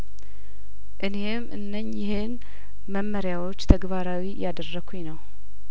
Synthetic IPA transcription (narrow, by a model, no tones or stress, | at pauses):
ʔɨne̞mʔɨnːəɲːɪhɨn | məmːəɾjawo̞t͡ʃːt̪ʰəɡβaɾawijad̪ərːəɡʰunəw